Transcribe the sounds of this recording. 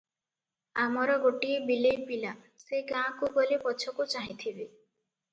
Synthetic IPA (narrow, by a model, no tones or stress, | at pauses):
amɔɾɔɡoʈiebilejpila | seɡãkuɡɔlipɔt͡ʃʰɔkut͡ʃaɦĩt̪ʰibe